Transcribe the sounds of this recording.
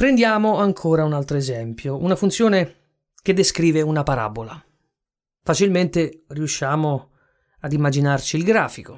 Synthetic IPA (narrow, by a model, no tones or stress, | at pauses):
pɾend̪jaːmoaŋkʰoːɾaunalt̪ɾoezɛmpjounafunt̪sjoːne | ked̪ːeskɾiːveunapaɾa̰ːbola | fat͡ʃilment̪eriuʃːaːmo | ad̪imːad͡ʒinart͡ʃiːlɡɾaːfiko